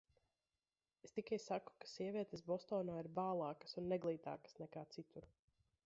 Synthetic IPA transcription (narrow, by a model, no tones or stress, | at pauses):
est̪ikajsaku̥kḁsiɛvʲiɛt̪es̬bɔst̪ɔːnaːiɾbaːlˠɑːkə̥sunːɛɡlˠiːt̪a̰ːkə̥snɛkaːt̪sit̪uɾ